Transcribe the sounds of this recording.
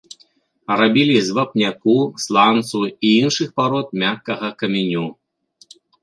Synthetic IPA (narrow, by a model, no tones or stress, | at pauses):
rabʲilʲizvɐpnʲakuslˠant̪suiinʂɨxpaɾɔt̪̚mʲakːɐɣɐkɐmʲinʲu